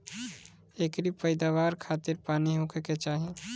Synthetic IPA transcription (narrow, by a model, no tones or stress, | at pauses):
ekɾipəɪd̪aʋaɾkʰat̪iɾpaniɦũkʰeket͡ʃaɦi